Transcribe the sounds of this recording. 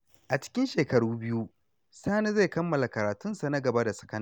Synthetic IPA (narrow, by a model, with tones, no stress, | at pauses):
ʔa˨t͡ʃɪ̥˦kʲɪ˦nʃeː˨kɐ˨ɽuː˦bɪ˦ju˦ | saː˦na˦ze˦˨kɐ˦mːɐ˨la˨kɐ˨ɾaː˨tʊ˦nsa˨na˦ɡɐ˨ba˦da˨sɐ̥˨kɐ˦n˦